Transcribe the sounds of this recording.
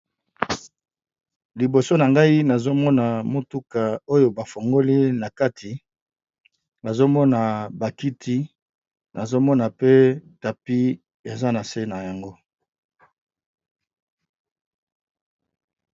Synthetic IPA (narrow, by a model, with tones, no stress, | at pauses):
li˨bo˨so˦na˨ŋɡa˦i˦na˨zo˦mɔ˦na˨mo˦tu˦ka˨o˦jo˨ba˨fo˨ŋɡo˦li˦na˨ka˦tʰi˨ | na˨zo˦mɔ˦na˨ba˨ki˦tʰi˦ | na˨zo˦mɔ˦na˨pe˦ta˨pi˦ | e˨za˦na˨se˦na˨ja˨ŋɡo˦